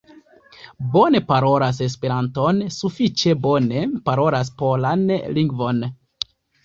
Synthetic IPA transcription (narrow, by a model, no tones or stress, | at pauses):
bo̞ne̞paɾo̞ɾas̬e̞s̬pe̞ɾanto̞nsufit͡ʃe̞bo̞ne̞paɾo̞ɾas̬po̞lanliŋɡvo̞n